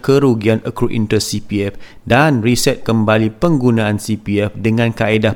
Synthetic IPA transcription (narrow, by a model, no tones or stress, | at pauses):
kəɾuɡianʔəkɾuʔḭnt̪əsipiɛf | danrisɛt̪̚kəmbalipəŋɡunãansipiɛfdəŋãnkaeda